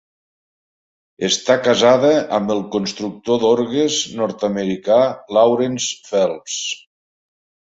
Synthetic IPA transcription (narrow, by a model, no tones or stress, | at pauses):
əst̪akazaðəəmbəlˠkonst̪ɾuk̚t̪oðoɾɣəznɔɾt̪əməɾikalawɾensfɛlˠs